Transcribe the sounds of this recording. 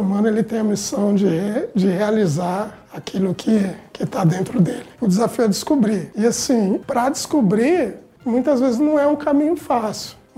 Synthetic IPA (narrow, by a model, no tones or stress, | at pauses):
mɐ̃nɐelɪt̪ẽj̃ɐmisɐ̃w̃d͡ʒɪed͡ʒɪhealizaɾ | akʰilʊkʰɪkɪt̪ad̪ẽnt̪ɾʊd̪elɪʊd͡ʒɪzafiʊɛd͡ʒɪskubɾiɪasĩpɾɐd͡ʒɪskubɾiɾ | mũj̃t̪ɐzvezɪznɐ̃w̃ɛũkamĩɲʊfasɪ̥w